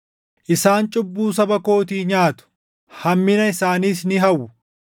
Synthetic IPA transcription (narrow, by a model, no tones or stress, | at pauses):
ʔɪsaːnt͡ʃʼʊbːuːs̬ɐbɐko̞ːt̪̬iːɲaːt̪ʊ̥ | hɐmːɪnɐɪsaːniːs̬nɪɦɐwːʊ